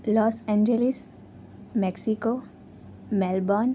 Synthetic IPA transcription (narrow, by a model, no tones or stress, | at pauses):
lɔːsɛ̃nd͡ʒelis | meksiko | mɛlbɔːn